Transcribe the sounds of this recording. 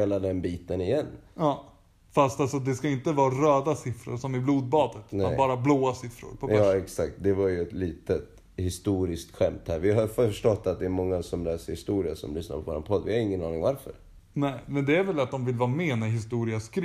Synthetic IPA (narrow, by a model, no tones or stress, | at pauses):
eːlad̪ɛnbiːt̪ənɪjɛnːɑː | fast̪alsɔd̪ɛskaɪnt̪əvɑːɾøːd̪asɪfɾʊ̰ɾʂɔmɪbluːd̪̚bɑːd̪ət̪nɛabɑːɾabloːasɪfɾʊ̰ɾpʰɔbœɛksak̚t̪̚d̪ɛvaɾjɵɛt̪liːt̪ət̪ | hɪst̪uːɾɪskt̪ɧɛmt̪hæːɾvɪɦaɾfœfœʂʈɔt̪ːat̪̚d̪ɛːɾmɔŋːasɔmlɛːsəɾhɪst̪uːɾɪasɔ̰mlʏsna̰ɾpʰɔvoːɾa̰npʰɔd̪ːvɪhaɾɪŋːənɑ̰ːnɪŋvaɾfœ̰ɾ | nɛɪmɛnd̪ɛæɾvɛlat̪̚d̪ɔmvɪlvɑːmɛːnæɦɪst̪uːɾɪaskɾ